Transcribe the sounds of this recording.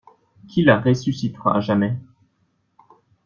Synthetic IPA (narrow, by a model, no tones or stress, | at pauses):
kʲʰilaʁesysit̪ʁa̰aʒamɛ